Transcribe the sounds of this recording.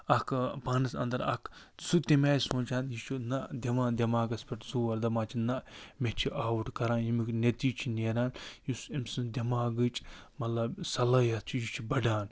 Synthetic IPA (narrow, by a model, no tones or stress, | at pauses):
ɐkʰpaːnɨsɐ̰nd̪ɐɾɐ̰kʰ | sut̪imʲaːjsõːnt͡ʃãːnjit͡ʃʰinɐd̪ʲɐmãːnd̪ʲɐmaːɡɐspʲɐʈzoːɐɾd̪ɐmaːt͡ʃʰinɐmet͡ʃʰiʔaːwʈkɐɾãːnjimiknet̪iːt͡ʃʰineːɾaːnjusimsɨnd̪ʲɐmaːɡɨt͡ʃʼmɐlɐbsɐlɐjɐt̪t͡ʃʰijit͡ʃʰibɐɖaːn